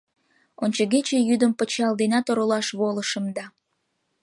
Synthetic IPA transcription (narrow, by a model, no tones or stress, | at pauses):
onʲt͡ɕəɣet͡ɕejyd̪əmpət͡ɕɑld̪enʲɑt̪oɾolɑʃβoləʃəmd̪ɑ